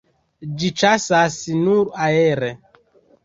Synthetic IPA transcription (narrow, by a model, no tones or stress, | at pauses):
d͡ʒit͡ʃasasnuɾaeɾe